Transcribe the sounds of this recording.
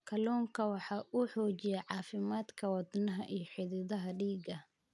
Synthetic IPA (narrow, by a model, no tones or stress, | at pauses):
kʰɐlɔːŋkʰɐwɑħɑːʔʊħɔːt͡ʃɪjɛʕɑːfɪmaːd̪kʰɐwɐd̪nɐɦɐʔijɞħɪðɪðɐɦɐɖiːɡɐ